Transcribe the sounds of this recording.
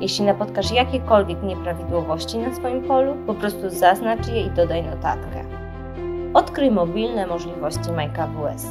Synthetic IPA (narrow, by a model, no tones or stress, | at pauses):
jɛɕlʲinapɔt̪kaʂjakʲekɔlvʲjɛkɲɛpɾavʲid̪wɔvɔɕt͡ɕinasfɔjimpɔlupɔpɾɔst̪uzaznat͡ʂjɛid̪ɔd̪ajnɔt̪a̰t̪kɛ̰ | ɔt̪kɾɘjmɔbʲilnɛmɔʐlʲivɔɕt͡ɕimajkavuɛs